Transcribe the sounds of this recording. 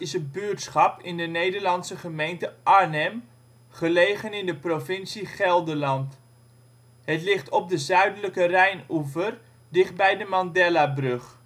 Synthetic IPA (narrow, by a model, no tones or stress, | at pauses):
ɪsətbytsχɑpɪndənejdəɹlɑnsəχəmejntəʔaɹnɛm | χəlejχənɪndəprofɪnsiχɛlˠdəlɑnt | hətlɪχtʰɔb̚dəzœɥdələkərɛjnuvər | dɪχt̚bɛjdəmɑndɛlabrɵχ